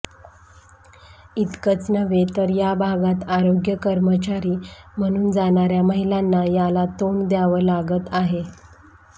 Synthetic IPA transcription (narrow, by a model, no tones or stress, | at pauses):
it̪kət͡snəʋet̪əɾjabʱaɡat̪aɾoɡjəkəɾmət͡ɕaɾiːm̤əɽ̃uːnd͡zaɳ̃aɾjaməɦilanːajalat̪oɳd̪jaʋəlaɡət̪aɦe